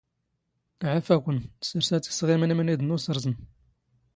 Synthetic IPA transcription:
ʕafækʷənsəɾsæt͡sːi̥sʁimənimənid̪ənusəɾˤzən

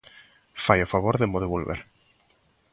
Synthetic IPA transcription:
fajofaβoɾðemoðeβolβḛɾ

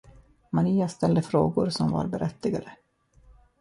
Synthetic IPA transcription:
maɾiːast̪ɛld̪əfɾoːɡʊɾsɔmva̰ɾbɛɾʔɛt̪ːɪɡaɾə

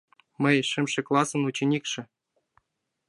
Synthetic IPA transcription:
mɘ̆jʂɘ̆mʂɘ̆klˠɑsɤ̆nut͡ɕenʲikʂɘ̆

